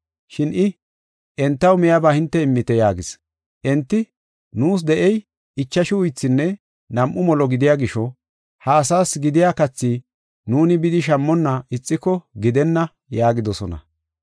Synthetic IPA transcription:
ʃɪnʔɪ | ʔɛnt̪ːɐwmɛjɐbaːhɪnt̪ːɛɪmːɪt̪ɛjaːɡɪs | ʔɛnt̪ːɪ | nuːs̬d̪ɛʔɛj | ɪt͡ʃːɐʃɪʊjt͡sːɪnːɛ | nɐmʔʊmɔlɔɡɪd̪ɪjaːɡɪʃɔ | hɐːsaːsɡɪd̪ɪjaːkɐt͡sːiː | nuːnɪbɪd̪ɪʃ̬ɐmːɔnːɐɪt͡sʼːɪkːɔɡɪd̪ɛnːɐ | jaːɡɪd̪ɔsɔnɐ̰

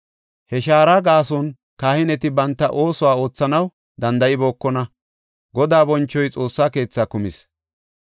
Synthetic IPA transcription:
hɛʃaːɾaːɡaːsɔn | kaːhɪnɛt̪ɪbɐnt̪ːɐʔo̞ːsɔwaːo̞ːt͡sːɐnɐw | d̪ɐnd̪ɐʔɪbo̞ːkːɔnɐ | ɡɔd̪aːbɔnt͡ʃːɔjt͡sʼo̞ːsːaːke̞ːt͡sːaːkʊmɪs

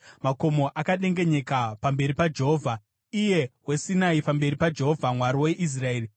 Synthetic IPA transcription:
makomo̞ʔakaɗe̞ŋɡe̞ɲe̞kapambe̞ɾipad͡ʒe̞ɦoːvʱa | ije̞wesinaipambe̞ɾipad͡ʒe̞ɦovʱamwaɾiwe̞ʔis̬rae̞ːri

